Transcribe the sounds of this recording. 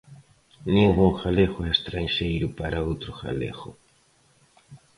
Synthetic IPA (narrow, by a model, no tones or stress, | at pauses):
nĩŋɡuŋxaleɣʊɛest̪ɾanʃejɾʊpaɾaowt̪ɾʊxa̰lḛxʊ̰